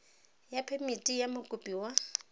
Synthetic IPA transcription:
japʰɛmitʼijamʊkʼʊpʼiwa

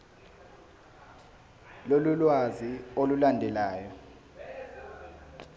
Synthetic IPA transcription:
lolulwaziolulandʱɛlaːjɔ

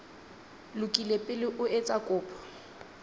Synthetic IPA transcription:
lʊkʼilepʼɪlɪʔʊet͡sʼakʼʊːpʰɔ̥

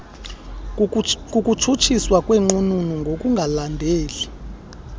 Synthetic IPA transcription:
kʼukʼutʰut͡ʃʰiswakʼwɛŋ͡ǃununuŋɡʱokʼuŋɡʱalandʱeːli

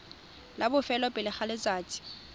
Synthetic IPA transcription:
labʊfɛlɔpʼɪlɪχalɪt͡sʼaːt͡sʼɪ̥

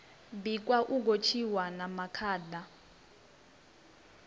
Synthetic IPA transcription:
bik̬ʼwaʔuk̬ot͡ʃʰiwanamakʰaːda

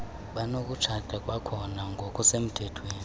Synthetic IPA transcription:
ɓanok̬ʼut͡ʃʰatʰʼakʼwakʰɔnaŋɡʱokʼusem̩tʰɛtʰweːni

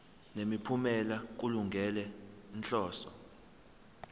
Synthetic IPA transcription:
nemipʰumɛlak̬uluŋɡʱɛlɛnɬɔːsɔ̰

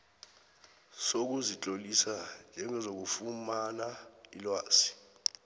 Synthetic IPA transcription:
sok̬uzit͡ɬʼolisand͡ʒʱɛŋɛzok̬ufumanailwaːsi̥

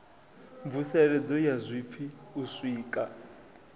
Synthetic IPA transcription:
ɱvusɛɺɛd͡zɔjazʷip̪fʰiuswiːkʼa

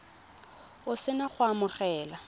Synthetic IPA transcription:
ʊsɪnaχʊamʊχɛːla

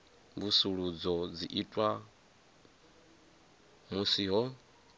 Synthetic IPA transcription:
mbusuɺud͡zɔd͡ziʔitʼwa | musiɦɔ

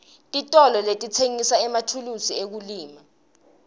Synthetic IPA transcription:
tʼitʼɔlɔletʼit͡sʰeŋisaɛmatʰulusiek̬uliːma

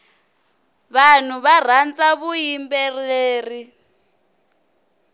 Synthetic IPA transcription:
βan̤uβar̤ant͡saβujimbɛreːri

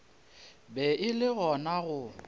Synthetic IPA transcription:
bɛʔɪlɪɣɔnaɣʊ

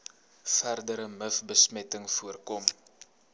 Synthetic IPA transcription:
færdəɾəməfbəsmɛtəŋfuərkɔm

